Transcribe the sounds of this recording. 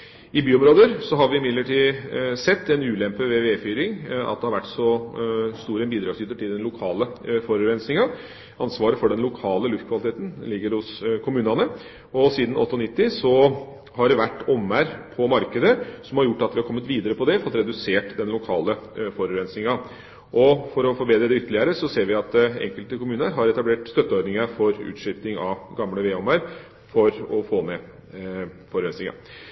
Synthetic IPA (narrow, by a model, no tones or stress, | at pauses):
ɪbyːɔmɾoːd̪əɾsɔɦɑɾʋɪɪmɪd̪ləʈʰiːsɛt̪ːɛnʉːlɛmpəʋeʋeːfyːɾɪŋɑ̰t̪̚d̪ɛhɑɾʋæʈːsɔst̪uːɾəɛnbiːd̪ɾɑːɡsjyːt̪əʈʰɪld̪ɛnlʊkʰɑːləfɔɾʉɾɛnsnɪŋɑ | ɑnsʋɑːɾəfɔɖɛnlʊkʰɑːləlʉft̪̚kʋɑlɪt̪ʰeːt̪n̩lɪɡːəɾhʊskʰʊmʉːnɑnə | ɔsiːd̪n̩ʔɔ̰t̪ːəɔnɪt̪ːɪsɔ | hɑɖɛʋæʈːɔmːæɾpʰɔmɑɾkəd̪əsɔmhɑɾjʊʈːɑt̪ʋɪhɑɾkʰɔmːət̪ʋiːd̪əɾəpɔd̪ɛfɔt̪ɾɛd̪ʉseːʈd̪ɛnlʊkʰɑːləfɔɾʉɾɛnsnɪŋɑ | ʔɔfɔɾɔfɔɾbeːd̪ɾəd̪ɛʏt̪ːəlɪəɾəsɔseːɾʋɪɑt̪ɛ̰ŋkəlt̪əkʊmʉːnəɾɦɑɾɛt̪ɑbleːʈst̪œt̪ːəɔɾd̪nɪŋəfɔɾʉ̰ːt̪ʂɪft̪ɪŋɑɡɑmləʋeːɔmæɾ | fɔɾɔfoːmɛ | fɔɾɾɛnsnɪŋɑ̰